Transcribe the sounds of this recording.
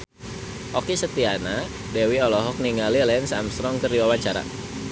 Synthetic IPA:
ʔɔkisət̪iana | dewiɔlɔɦɔk̚niŋalilɛnsa̰mst̪ɾɔŋkəriwawaɲt͡ʃaɾa̰

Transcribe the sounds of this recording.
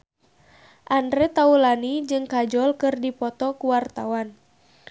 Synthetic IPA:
ʔandɾɛt̪aulanid͡ʒɨŋkad͡ʒɔlkɨrdipɔt̪ɔkuwart̪awan

